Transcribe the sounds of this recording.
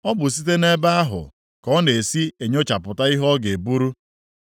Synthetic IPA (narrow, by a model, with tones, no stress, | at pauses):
ɔ˦bʊ˨s̬i˦t̬e˦ne˦ba˦a˦ɦʊ̰˨ | kɔ˦n˨e˨si˦e˨ɲo˦t͡ʃa˨pʊ˨ta˦i˦ɦɔ˦ɡe˨bu˦ɾu˦